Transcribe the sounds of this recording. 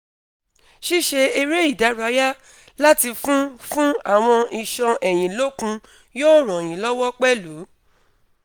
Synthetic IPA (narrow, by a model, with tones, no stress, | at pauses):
ʃi˦ʃe˧i˧ɾe˦i˦˨da˨˦ɾa˧˦ja˦ | la˦ti˧fũ˦fũ˦a˦˨w̃ɔ̃˧i˨ʃɔ̃˧ɛ˨j̃ĩ˨lo˦kũ˧ | joː˦˨ɾ̃ɔ̃˨j̃ĩ˨lɔ˦wɔ˦k͡pɛ˦lu˨˦